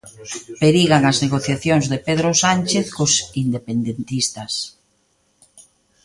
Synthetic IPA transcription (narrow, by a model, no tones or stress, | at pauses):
peɾiɣaŋazneɣoθjaθjoŋzðepeð̞ɾosanʲt͡ʃeθkʊsind̪epend̪ent̪ist̪ɐs